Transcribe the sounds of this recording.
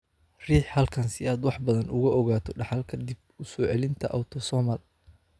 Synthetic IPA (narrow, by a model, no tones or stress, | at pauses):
r̥iːħhɐlkʰɐnsɪaːd̪wɑħbɐðɐnʊɣɐʔɔɣaːt̪ʰɔɖɑħɑlkʰɐd̪ɪb̚ʊsɔːʕɛlɪnt̪ʰɐʔɐwt̪ʰɔsɔːmɐl